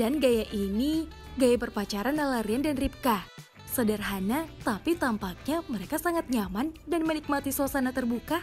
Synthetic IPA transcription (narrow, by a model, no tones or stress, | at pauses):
danɡajaʔiniɡajabərpat͡ʃaɾanalaɾiandanrip̚ka | sədərɦanat̪apit̪ampak̚ɲaməɾekasaŋat̪̚ɲamandanmənik̚mat̪isoasanat̪ərbuka